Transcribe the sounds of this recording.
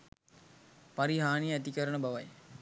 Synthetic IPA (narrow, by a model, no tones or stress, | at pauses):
paɾiɦaːnijəæt̪ikəɾənəbaʋaj